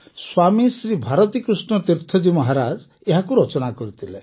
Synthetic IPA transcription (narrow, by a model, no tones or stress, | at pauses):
swamisɾibʱaɾɔt̪ikɾusnɔt̪iɾt̪ʰɔd͡ʒimɔɦaɾad͡ʒ | eɦakuɾɔt͡ʃɔnakɔɾit̪ʰile